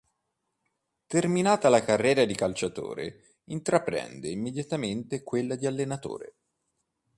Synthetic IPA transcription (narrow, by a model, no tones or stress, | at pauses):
t̪erminaːt̪alakarːɛːɾad̪ikalt͡ʃat̪o̰ːɾḛ | int̪ɾapɾɛ̰nd̪eimːed̪jat̪ament̪ekwelːad̪ialːenat̪o̰ːɾḛ